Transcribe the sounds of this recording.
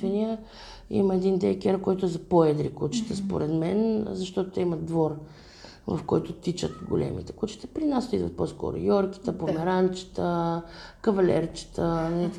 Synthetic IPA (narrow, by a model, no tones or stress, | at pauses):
ɛniə | ḭməɛd̪ind̪ɛkʲɛɾkɔjt̪ʊɛzɐpoɛd̪ɾikut͡ʃi̥t̪əspo̰ɾʔɛd̪mɛnzɐʃt̪ɔt̪ot̪ɛimɐd̪vɔɾ | vɐ̰fkɔjt̪ʊt̪it͡ʃə̰t̪ɡʊ̰lʲʔɛ̰mḭt̪ɛ̥kut͡ʃi̥t̪ə̥pɾinast̪id̪və̰t̪̚pɔskɔ̰ɾʊ̰jɔɾki̥t̪əpomɛɾant͡ʃi̥t̪əkəvɐlʲɛ̰ɾt͡ʃi̥t̪ənlit̪